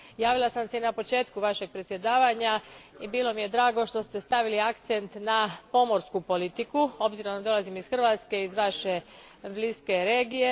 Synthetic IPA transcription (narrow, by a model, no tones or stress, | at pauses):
jaːʋilˠasamseinapo̞t͡ʃe̞ːt̪kuʋaʃe̞ɡ̥̚pɾet̪sje̞d̪aːʋaɲaibiːlo̞mije̞d̪ɾaːɡo̞ʃt̪o̞st̪e̞st̪aʋiliakt̪sent̪napo̞mo̞ɾskupo̞lit̪ikuo̞bziɾod̪ad̪o̞lazimisxr̩ʋat̪ske̞izʋaʃe̞ | bliske̞ɾe̞ːɡije